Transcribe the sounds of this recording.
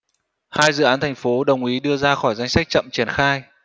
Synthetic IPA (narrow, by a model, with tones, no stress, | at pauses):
haː˧jzɨ̰˧˨ʔaː˨˦nt̪ʰa˨˩ŋ̟fo˨˦ɗə˨˩wŋ͡mʔi˨˦ɗɨ˧əzaː˧xɔ˧˩jza˧jŋ̟sa˦˥k̟̚t͡ɕə̰˧˨mt͡ɕi˧˩ənxaː˧j